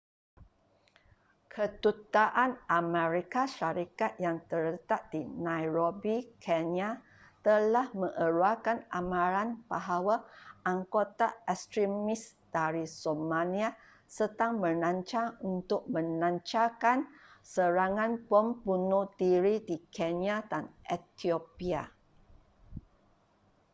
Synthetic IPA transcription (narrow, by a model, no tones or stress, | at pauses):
kʰət̪ut̪aʔanamɛ̃ɾikaʃaɾikat̪̚jaŋt̪ələt̪at̪̚d̥inãjɾobikʰɛnja | t̪əlahmə̃ŋʔəɾuakanʔamãɾanbaɦawaaŋkot̪aɛst̪ɾimɪs | d̥aɾisomãlia | sət̪aŋmə̃nãɲt͡ʃaunt̪ʊk̚mə̃nãɲt͡ʃakansəɾaŋãnpəmbunudiɾidikʰɛnjadanʔɛt̪iopia